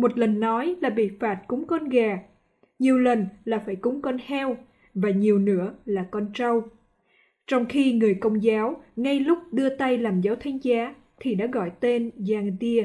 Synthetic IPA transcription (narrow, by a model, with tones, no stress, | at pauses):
mo˨˩t̚lə˨˩nːɔ˨˦jlaː˨˩ɓḭ˧˨faː˨˩t̚kʊ˨˦ŋ͡mkɔ˧nɣaː˨˩ | ɲi˨˩əwlə˨˩nlaː˨˩faː˧˩jkʊ˨˦ŋ͡mkɔ˧nhɛ˧w | vaː˨˩ɲi˨˩əwnɨ̰˧˥əlaː˨˩kɔ˧nt͡ɕə˧w | t͡ɕɔ˧wŋ͡mxi˧ŋɨ˨˩əjkə˧wŋ͡mzaː˨˦wŋa˧jlʊ˦˥k͡p̚ɗɨ˧ət̪a˧jlaː˨˩mzaː˨˦wt̪ʰa˨˦jŋ̟zaː˨˦ | t̪ʰi˨˩ɗa̰ː˧˥ɣɔ̰˧˨jt̪e˧nzaː˧˩ŋt̪i˧ə